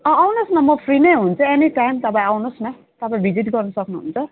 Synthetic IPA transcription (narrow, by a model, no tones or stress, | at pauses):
ʌ̃awnosnʌmʌpʰrinʌjɦunt͡sʰʌeniʈajmt̪ʌpaj̃awnosnʌ | t̪ʌpaĩbʱid͡ziʈɡʌrnʌsʌknuɦṵnt͡sʰʌ